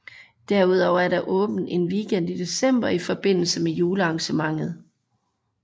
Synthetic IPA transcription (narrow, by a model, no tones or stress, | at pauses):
d̥æɐ̰uð̞ˠɒʊæɐɾ̥ɑ̈ʔɔ̽ːb̥n̩e̝nʋiːɡ̥en̰d̥id̥e̝sem̰b̥ɐifɒ̽b̥e̝n̰l̩səmejuːləɑ̈ŋɕəmɑ̈ŋ̰ð̩ˠ